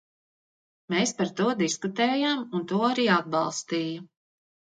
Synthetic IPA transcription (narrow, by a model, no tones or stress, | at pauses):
meːspaɾt̪uɔd̪iskut̪ɛːjaːmunt̪uɔaɾiːad̪̚bɑlˠst̪iːju